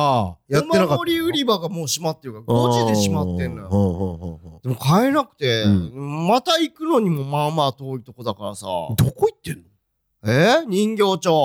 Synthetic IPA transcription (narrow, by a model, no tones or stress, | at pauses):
ajamaenakaoɾʲiɯ̟ɾʲibaɡamo̞ːɕimat̪ːeɾɯ̟kaɡoʑid̪e̞ɕimat̪ːẽ̞nːojhõhohõd̪e̞mokaenakɯ̟̥t̪e̞mat̪aikɯ̟no̞ɲ̟imo̞mamaːt̪o̞ːɾit̪o̞ko̞d̪akaɾa̰sa̰d̪okoit̪ːẽ̞nːo | eɲ̟ĩŋɡʲo̞ːt͡ɕo̞ː